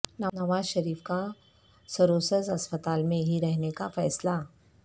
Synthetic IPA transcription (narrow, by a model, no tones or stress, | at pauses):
nənəʋaːzʃəɾiːfka | səɾosəzɐspət̪aːlmẽɦiɾɛɦnekafɛːsla